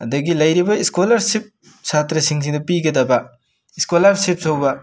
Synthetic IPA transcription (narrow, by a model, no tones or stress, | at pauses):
ɐdɐɡilɐjɾibɐiskolaɾsip̚ | satɾɐsiŋs̬iŋdɐpiɡɐdɐbɐ | iskolaɾsip̚sowbɐ